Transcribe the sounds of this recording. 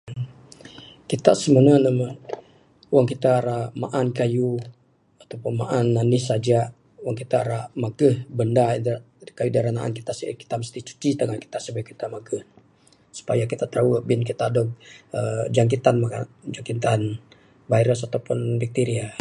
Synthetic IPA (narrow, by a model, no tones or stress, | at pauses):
kit̪aʔsəmənanama | waŋkit̪aːɾamaʔankaju | at̪awpunmaʔanːanɪsad͡ʒa | waŋkit̪aːɾamaɡəhbənda | kajudaɾanaʔa̰nki̥t̪aʔsə̰ki̥t̪aməst̪it͡ʃu̥t͡ʃit̪əŋaki̥t̪aʔsəbɛkit̪amaɡəh | su̥pajakit̪at̪ɾawəbɪnkit̪adɔk̚əd͡ʒaŋk̬it̪anmaka̰d͡ʒaŋkit̪an | bajɾəsat̪awpunbik̚t̪iɾia